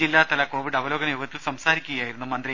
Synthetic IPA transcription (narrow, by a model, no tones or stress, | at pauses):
ilːaːt̪ɐlɐko̞ːʋiɽɐʋɐlo̞ːɡɐnɐjoːɡɐt̪ːilsɐmsaːɾikʲːuɣɐjaːjiɾunːumɐnd̪ri